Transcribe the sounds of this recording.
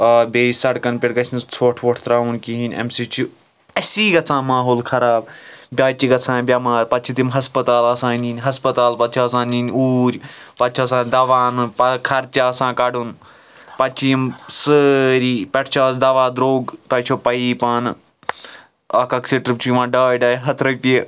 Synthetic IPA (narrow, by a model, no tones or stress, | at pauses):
ɐːbeːsɐɽkɐnpʲeʈɡɐsʰʲnt͡sʰoːʈʰʋɐʈʰt̪ɾaːunkiɦinʲḛmsit͡ʃʰi | ɐsiːɡɐt͡sʰãːmaːɦoːlkʰɐɾaːb̚bʲaːt͡ʃiɡɐt͡sʰãːbʲamãːɾpɐt̪t͡ʃʰit̪imɦɐspɐt̪aːlɐsãːniːnʲɦɐspɐt̪aːlpɐt̪̚t͡ʃʰiɐsãːniːnʲuːɾʲpɐt̪̚t͡ʃʰɐsãːnd̪ɐʋaːnɨpɐkʰɐɾt͡ʃaːsãːkɐɖun | pɐt͡ʃʰijimsəɾiːpɐʈʰt͡ʃʰaːs̬d̪ɐʋaːd̪ɾoːɡt̪ɐːt͡ʃʰopɐiːpan | ɐːkɐksiʈɾɨp̚t͡ʃʰuiʋãːɖaːjɖaːjɦɐt̪ʰɾɐpʲe